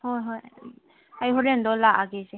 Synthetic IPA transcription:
hɔjɦɔj | ajɦɔɾendɔlaʔaɡese

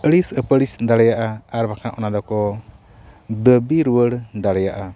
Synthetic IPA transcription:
əɽisəpəɽisd̪aɽɛjaʔaaɾbakʰãʔɔnad̪ɔkɔ | d̪əbiɾuwəɽd̪aɽɛjaʔa

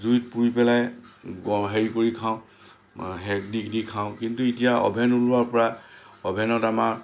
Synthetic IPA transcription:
zujtpuɹipɛlajɡɔɦeɹikoɹikʰãʊ̃ | ɦɛkdikdikʰãʊ̃kintuitijaɔ̰bʱɛnulʊwaɹpɔɹa | ɔbʱɛnɔtamaɹ

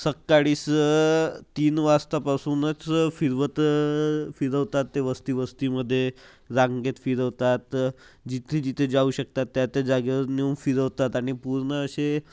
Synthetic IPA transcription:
səkːaɽiːs | t̪iːnʋast̪apasuːnət͡sfiɾʋət̪ | fiɾəʋt̪at̪ːeʋəst̪iːʋəst̪iːməd̪ʱːje | ɾaŋɡet̪fiɾəʋt̪at̪ | d͡ʑit̪ʰed͡ʑit̪ʰed͡zauɕək̚t̪at̪ːjat̪ad͡zaɡeʋəɾniumfiɾəʋt̪at̪aɽ̃ipuɾɳəːɕe

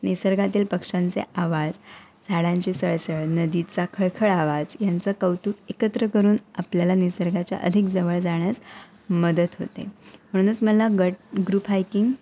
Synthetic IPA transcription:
nisəɾɡat̪iːlpəkʂãnt͡sḛʔaʋad͡z | d͡zʱaɽãɲt͡ɕisəɭsəɭnəd̪it͡sakʰəɭkʰəɭaʋad͡zjant͡səkəwt̪uːkekət̪ɾəkəɾuːnapljalanisəɾɡat͡ɕja̰ʔə̰d̪ʱikd͡zəʋəɭd͡zaɽ̃jat͡s | məd̪ət̪ɦo̰t̪ḛm̤əɽ̃ũət͡sməlaɡəɡɾupajkiŋɡ

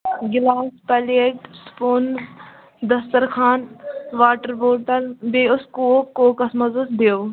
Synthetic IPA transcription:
ɡɪlaːspɐlekspoːn | d̪ɐst̪əɾkʰaːnʋaːʈəɾboːʈɐlbeːʊskoːkːoːkɐsmɐzəsd̪eː

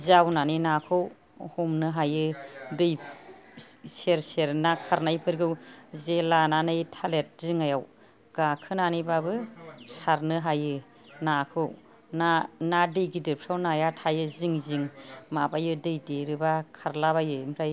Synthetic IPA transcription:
zawnaninakʰɯw | hɔmnɯɦajɯdɯj | seɾseɾnakʰaɾnajpʰɯɾɡɯwzelananɯjtʰalet̚ziŋajaw | ɡ̥akʰɯnanibabɯsaɾnɯɦajɯ | nakʰɯw | nanadɯjɡidɯpʰɾawnajatʰajɯziŋziŋmabajɯdɯjdeɾɯbakʰaɾlaβajɯmɾaj

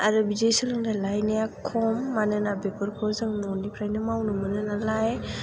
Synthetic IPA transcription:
aɾɯbid͡ʒejsɯlɯŋdalajnijakʰɔmːanɯnabepəɾkʰɔzɯŋnɔnipʰɾajnɯmawnɯmɯnɯnalaj

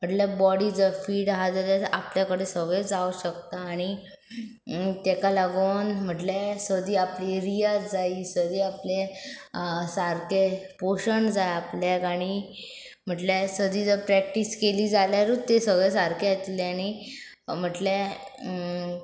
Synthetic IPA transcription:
m̤əʈlabɔɽiːd͡zəfiːɽɦad͡zalata̰pljakəɽesəɡɭɛd͡zauɕək̚t̪aːɽ̃i | t̪ɛkalaɡoːnm̤əʈlesəd̪ʱiːapliɾijad͡zaisəd̪ʱiːaple | saɾkepoɕəɳd͡zajapljakaɽ̃i | m̤əʈlasəd̪ʱiːd͡zəpɾɛk̚ʈiːskeliːd͡zaljaɾut̪esəɡɭɛsaɾkeat̪leaɽ̃i | m̤əʈle

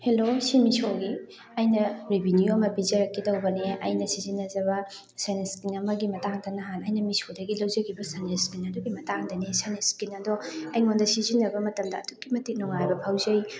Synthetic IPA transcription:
helosimisoɡi | ɐjnɐɾibʱinijoɐmɐbizɐɾɐkːitɐwbɐneɐ̰jnɐsizinːɐzɐbɐ | saneskinɐmɐɡimɐtaŋdɐnɐɦanɐjnɐmisodɐɡilɐwd͡ʒɐkʰibɐsaneskinɐduɡimɐtaŋdɐnesaneskinɐdɔɐjŋondɐsizinːɐbɐmɐtɐmdɐːtukːimɐtinɔŋajbɐpʰawzɐj

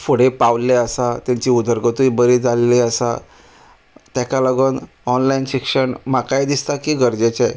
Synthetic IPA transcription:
foɽepawlleəsat̪jaɲt͡ɕiːud̪ʱəɾɡət̪uibəɾid͡zaleliəsa̰ | t̪jakaləɡən | ɔnlainɕikʂəɳmakajd̪ist̪akiːɡəɾd͡ʑet͡ɕaj

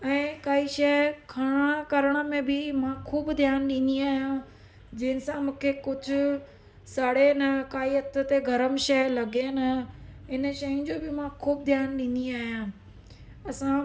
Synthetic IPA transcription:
ɛ̃ːkaːiʃɛːkʰaɽ̃ãkɐɾəɽ̃ə̆mẽbɪmãkʰuːbd̪ʱjaːnɗĩːn̆d̪iaːɦijã | d͡ʑɐɦɪ̃nɪ̆sãmũːkʰekʊd͡ʑʱʊ̆ | saːɽenɐkaːiɦɐt̪ə̆t̪eɡʱɐɾəmʃɐːlɐɡenɐɦɪnʃɐjʊ̃nd͡ʑoːbɪmãkʰuːb̚d̪ʱjaːnɗĩːn̆d̪iaːɦijãː | ɐsã

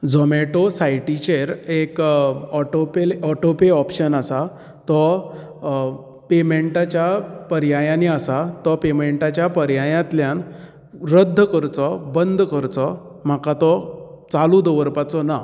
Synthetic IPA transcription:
d͡zɔmeʈosajʈit͡ɕeɾekɔʈopelɔʈopeɔpɕənasa | t̪ɔ | pemeɳʈat͡ɕjapəɾjajãniasat̪ɔpemeɳʈat͡ɕjapəɾjajãt̪ljãn | ɾəd̪ʱːəkəɾt͡sɔbənd̪ʱkəɾt͡sɔ | m̤akat̪ɔ | t͡salud̪əʋəɾpat͡sɔna

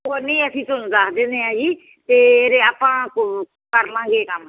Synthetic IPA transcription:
oːnẽĩːəsĩːt̪ʊnũːd̪aːkʰd̪ẽːnd̪eːãːd͡ʒiː | t̪eːɾeːaːpãːk | kəɾlãːɡeːkəm

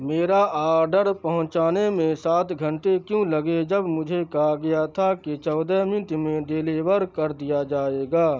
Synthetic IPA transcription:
meːɾaʔaːɾɖəɾpɐɦʊ̃t͡ʃaːnemẽsaːt̪ɡʱə̃ɳʈekjũlɐɡed͡ʒɐbmʊd͡ʒʱekɐɦaɡɐjat̪ʰaket͡ʃɔːd̪ɛmɪ̃t̪mẽɖ̪eːleːʋəɾkɐɾd̪ijad͡ʒaːeːɡaː

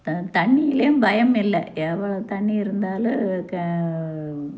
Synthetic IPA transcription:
t̪t̪ɐɳːijɪlejumbʱɐjɐmɪlːɐɛʋɐɭɐt̪ɐɳːiɪɾɯnd̪aːlkɐ

